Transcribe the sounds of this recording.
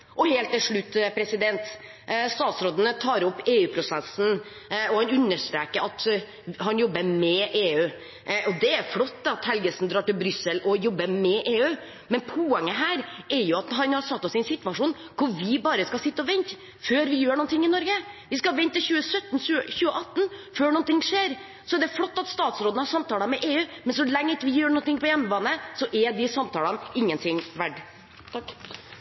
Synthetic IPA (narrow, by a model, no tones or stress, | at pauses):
ʔɔheːlt̪ːɪlʂɭʉt̪ːpʰɾɛsɪd̪ɛnt̪ | st̪ɑːt̪sɾoːd̪ənət̪ʰɑːɾɔpːeːʉːpʰɾʊsɛsn̩ | ɔhɑnʉnːəʂt̪ɾeːkəɾɑt̪ | ɦɑnjɔbːəmɛʔeːʉː | ʔɔd̪ɛæɾflɔt̪ːɛɑt̪hɛlɡəsn̩d̪ɾɑːʈɪlbɾʏsːəlɔjɔbːəmɛʔeːʉː | mɛnpʰuɛŋːəɦæːɾɛɾjʊɑt̪ɦɑnhɑɾsɑt̪ːɔsɛɪnsɪt̪ːʋɑʂuːn | kʰʊɾʋɪbɑːɾəskɑsɪt̪ːəɔʋɛnt̪ | føːɾʋɪjøːɳuːnt̪ɪŋːɪnɔɾɡəʋɪskɑʋɛnt̪ːɪçʉːəsœt̪ːn̩ʂʉːəçʉːəʔɑt̪ːnføːɳuːnt̪ɪŋʂeːɾ | sɔd̪ɛflɔt̪ːɑt̪st̪ɑːt̪sɾoːd̪n̩hɑsɑmt̪ʰɑːlɑmɛʔeːʉːmɛnsɔlɛŋːɪt̪ʋɪjøːɳuːnt̪ɪŋpɔjɛmːəbɑːnəsɔʔɛd̪ɪsɑmt̪ʰɑːlɑnɪŋːənt̪ʰɪŋʋæɖ | t̪ʰɑkː